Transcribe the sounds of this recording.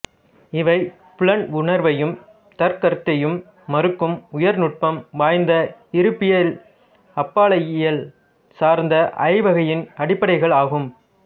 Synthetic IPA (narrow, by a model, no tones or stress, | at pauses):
ɪʋɐɪ | pʊɭɐnʊɳɐɾʋɐjɯm | t̪ɐɾkɐɾt̪ːɐjɯmː | ɐɾɯkːɯmʊjɐɾnʊʈ̚pɐmʋaːjnd̪ɐɪɾɯpːɪjɐl | ɐpːaːɭɐjɪjɐl | saːɾnd̪ɐʔɐ̰ɪʋɐɣɐjɪnɐɽɪpːɐɽɐɪɣɐɭaːɣɯm